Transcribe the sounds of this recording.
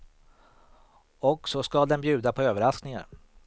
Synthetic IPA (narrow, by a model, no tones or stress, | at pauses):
ɔksɔskad̪ɛnbjʉ̟ːd̪apʰɔøːvəɾasknɪŋa̰ɾ